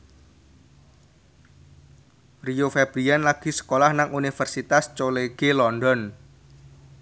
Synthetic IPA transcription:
riofeb̥ɾianlaɡ̥i̤sə̥kolahnaŋʔunifərsit̪ast͡ʃoleɡ̥elɔndɔn

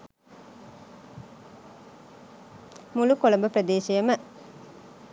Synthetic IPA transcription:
mulukolombəprəd̪eːʃijəmə

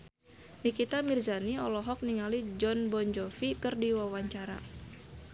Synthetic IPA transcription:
nikit̪amirzaniɔlɔɦɔk̚niŋalid͡ʒɔnbɔɲd͡ʒɔfikɨrdiwawaɲt͡ʃaɾa

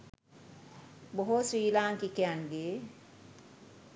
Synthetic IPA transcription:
boɦosʋiːlaːŋkikejaŋɡeː

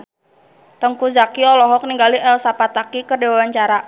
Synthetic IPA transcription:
t̪əŋkuzakiɔlɔɦɔk̚niŋɡaliʔɛlsapat̪akikərdewawaɲt͡ʃaɾa

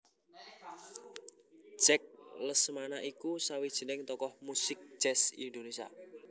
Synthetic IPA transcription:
ʒ̥ɛk̚ləsmanaʔikusawid̥ʒ̥ə̤nɪŋt̪ɔkɔhmusɪk̚ʒ̥ɛsḭnd̪onesia̰

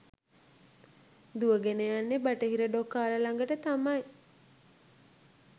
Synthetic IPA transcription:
d̪uəɡenejanːebaʈəɦiɾəɖokːaːləlaŋɡəʈət̪amaj

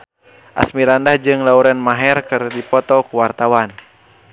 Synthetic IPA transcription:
ʔa̰smiɾandahd͡ʒɨŋlauɾɛnmaɦɛrkɨrdipɔt̪ɔkuwart̪awan

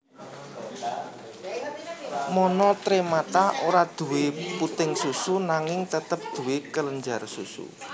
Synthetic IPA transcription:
mɔnɔt̪ɾemat̪aoɾad̪̥ṳwɪput̪ɪŋsusunaŋɪŋt̪ət̪əp̚d̪̥ṳwekələɲd͡ʒarsusṵ

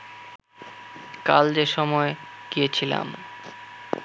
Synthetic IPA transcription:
ka̰ld͡ʑeʃɔmɔeɡ̥ijet͡ɕʰila̰m

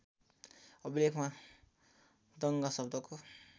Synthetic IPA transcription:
ʌbilekʰma | d̪ʌŋɡasʌb̚d̪ʌko

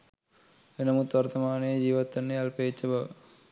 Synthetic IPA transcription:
enɐmut̪ːʋɐrt̪ːɐmaːniɐd͡ʑiːʋɐt̪ːɐnːejɐlpet͡ɕːɐbɐ

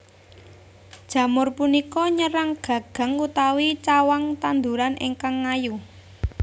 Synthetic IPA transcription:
d̥ʒ̥ä̤mʊrpunikɔɲəɾaŋɡ̥ä̤ɡ̥a̤ŋːut̪awit͡ʃawaŋt̪and̪uɾanʔḭŋkaŋːaju

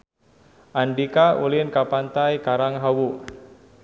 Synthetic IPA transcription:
ʔandikaulɪnkapant̪ajkaɾaŋɦawu

